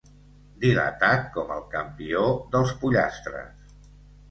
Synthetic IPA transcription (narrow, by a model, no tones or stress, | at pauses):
d̪ilə̰t̪at̪̚kɔməlˠkəmpioðəlˠspuʎa̰st̪ɾə̰s